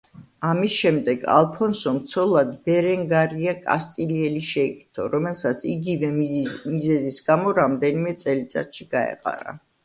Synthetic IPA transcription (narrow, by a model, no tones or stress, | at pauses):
amisʃɛmd̪ɛɡa̰lˠpʰɔnsɔmt̪sʰɔlˠad̪bɛɾɛŋɡaɾiakʼa̰st̪ʼiliɛliʃɛkʼt̪ʰɔɾɔmɛlˠsat̪sʰiɡivɛmizɛzisɡamɔɾamd̪ɛnimɛt̪sʼɛlit̪sʼa̰t̪ʃiɡ̥aɛ̰qʼa̰ɾa̰